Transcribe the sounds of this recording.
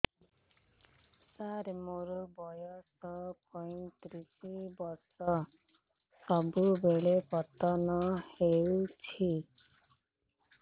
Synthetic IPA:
saɾmoɾubɔjɔsɔpʰɔjnt̪ɾisibɔɾsɔ | sɔbubeɭepɔt̪ɔnɔhewt͡ʃʰi

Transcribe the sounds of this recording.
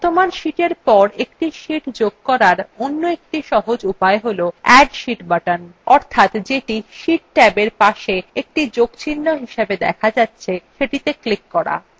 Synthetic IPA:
t̪omanʃiʈeɾpɔɾekʈiʃiʈd͡ʑoɡ̚kɔɾaɾonːoek̚ʈiʃɔɦod͡ʑupaeɦoloɛɖʃiʈbaʈanɔɾt̪ʰat̪d͡ʑeʈiʃiʈ̚ʈɛbeɾpaʃeek̚ʈid͡ʑoɡt͡ɕʰinːoɦiʃebed̪ɛ̰kʰad͡ʑatːɕʰeʃeʈit̪eklikːɔɾa̰

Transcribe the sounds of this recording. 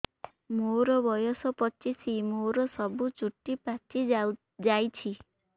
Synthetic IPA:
moɾɔbʱɔjɔsɔpɔt͡ʃisimoɾɔsɔbut͡ʃuʈːipat͡ʃi | d͡ʒajt͡ʃʰi

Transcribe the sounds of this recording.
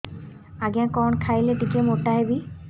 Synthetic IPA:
aɡãkɔnkʰajleʈikemoʈaɦebi

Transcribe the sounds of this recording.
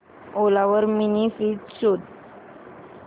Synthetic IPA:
olaʋəɾminifitɕod̪̚

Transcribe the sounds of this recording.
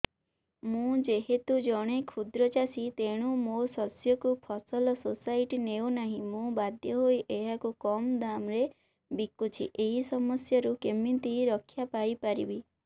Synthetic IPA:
mũd͡ʒeɦet̪ud͡ʒɔɽ̃ekʰud̪ɾɔt͡ʃasit̪eɽ̃umosɔsjɔkupʰɔsɔlɔsosaiʈineunaɦĩmũbad̪ʱjɔɦojʔeɦakukɔmd̪amɾe | bikːut͡ʃʰḭʔeɦisɔmɔsjɔɾukemint̪iɾɔkʰːjapajpaɾḭbi

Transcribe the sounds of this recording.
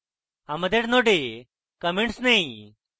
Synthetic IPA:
hãməd̪ʱjeʈnoɽe | kəmẽɳʈsnai

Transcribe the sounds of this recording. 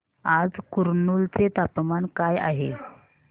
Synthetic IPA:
ad͡zkuɾnult͡set̪apmankaja̰ɦe

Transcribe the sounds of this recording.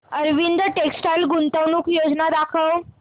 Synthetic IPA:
əɾʋind̪əʈeksʈajlɡunt̪əʋnuːkjod͡znad̪akʰəw

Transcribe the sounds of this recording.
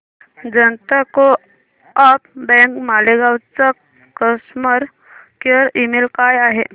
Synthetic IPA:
d͡zənt̪ako | apbɛ̃ŋkmaleɡawt͡sa | kəsməɾ | keɾimelkajaɦe

